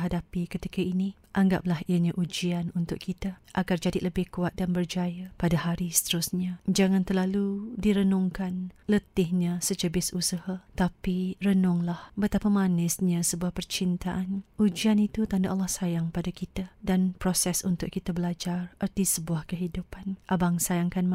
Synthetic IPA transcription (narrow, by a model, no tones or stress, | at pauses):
ɦadapikət̪ikaini | ʔaŋɡa̰p̚lahiəɲaʔud͡ʒianunt̪ʊʔkʰit̪aʔaɡard͡ʒadiləbɪhkuat̪̚danbərd͡ʒajapadaɦaɾisə̥t̪əɾʊsɲad͡ʒaŋant̪ərlaludiɾənʊŋkanlət̪ɪhɲasəd͡ʒəbɪsusəhat̪apirənʊŋlahbət̪apamanɪsɲasəbuahpərt͡ʃint̪aʔanʔud͡ʒianit̪ut̪andaʔalːahsajaŋpadakit̪adanpɾosɛsunt̪ʊʔkit̪abəlad͡ʒarərt̪isəbuahkəɦidupanʔabaŋsajaŋkanm